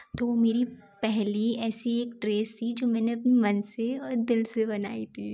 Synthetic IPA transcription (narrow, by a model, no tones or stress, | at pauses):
t̪oːʋomeːɾipɛɦliɛːsieːk̚ʈɾeːst̪ʰid͡ʒoːmɛ̃ːneɐpnimɐnseɔːɾd̪ɪlsebɐna̰ːit̪ʰiː